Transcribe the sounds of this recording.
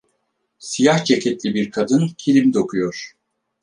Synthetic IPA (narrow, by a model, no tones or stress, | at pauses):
sijaht͡ʃʰecʰɛt̪lʲibiɾkʰad̪ɯncʰilʲimd̪okʰujoɾ̥